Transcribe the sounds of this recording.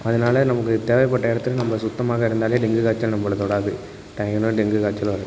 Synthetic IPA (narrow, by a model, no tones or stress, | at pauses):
ɐðɯnaːlɐnɐmɐkːɯt̪eːʋɐɪpːɐʈːɐɪɽɐt̪ːɯlɐnɐmbɐsʊt̪ːɐmaːɣɐɪɾɯnd̪aːleːɖɪŋɡɯkaːt͡ʃːɐlnɐmːbɐɭɐt̪ɔɽaːðɯ | ʈɐːɡɐnoːɖɪŋɡɯkaːt͡ʃːɐlʋɐɾɯ